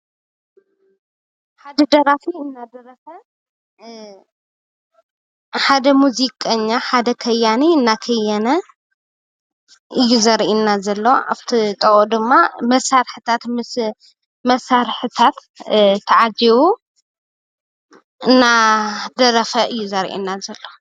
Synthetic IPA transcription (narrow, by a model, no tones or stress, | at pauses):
ħad̪ɐd̪ɐɾafiɨnːad̪ɐɾɐfɐ | ħad̪ɐmuzikʼɐɲːaħad̪ɐkʰɐjaniɨnːakʰɐjanɐ | ʔɨjːuzɐɾʔinːazɐlːoʔa̰βt̪ʰit̪ʼɐʔod̪ɨmːamɐsːaɾħɨt̪ʰat̪mɨs | mɐsaɾħɨt̪ʰat̪ | t̪ʰːɐʕad͡ʒiwu | ɨnːad̪ɐɾɐfɐʔɨjːuzɐɾʔḭnːazɐlːo